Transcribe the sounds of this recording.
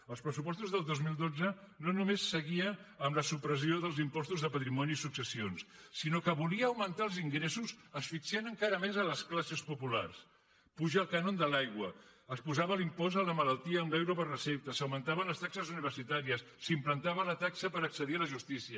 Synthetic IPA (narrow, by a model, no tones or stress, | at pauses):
əlˠspɾəsupɔst̪uzðəlˠd̪ozmilˠd̪od͡zənonumesːəɣiəəmləsupɾəzioðəlˠzimpɔst̪uzðəpət̪ɾimɔniːsuksəsionsːinokəβuliəːwmənt̪aəlˠziŋɡɾesuzəsfiksɛnəŋkaɾəmezələsklasəspupula̰rs | puʒəːlˠkanond̪əlajɣwəəspuzaβəlimpɔzələmələlˠt̪iəːmlɛwɾopərrəsep̚t̪əsəwmənt̪aβənləst̪aksəzuniβ̞əɾsit̪aɾiəsːimplənt̪aβələt̪aksəpəɾəksəðiələʒust̪isiə